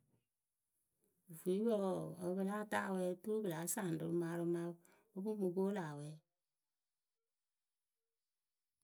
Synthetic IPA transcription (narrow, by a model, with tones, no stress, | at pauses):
vu˨i˦wɔ˦˨o˨˦βə˦la˦ta˦˨wɛ˦tu˦bɨ˨la˨˦sa˦˨n˨du˨ɾma˧˦ɾu˦ma˦ | o˦bu˦mu˧ɡo˦la˨wɛ˦